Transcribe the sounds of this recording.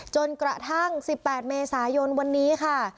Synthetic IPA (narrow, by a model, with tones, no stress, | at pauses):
t͡ɕo˧nkɾa̰˨˧t̪ʰa˥˩ŋsi˨˩pːɛː˨˩t̪̚meː˧saː˩˦jo˧nwa˧nːiː˦˥kʰa˥˩